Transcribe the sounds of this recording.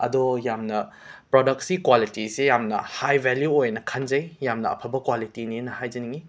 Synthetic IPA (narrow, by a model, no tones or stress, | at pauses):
ɐ̰dɔjamnɐ | pɾɔdɐk̚sikwalitisejamnɐ̰hajbʱɛljuojnɐkʰɐnzɐjjamnɐɐ̰pʰɐbɐkwalitininɐhajzɐniŋi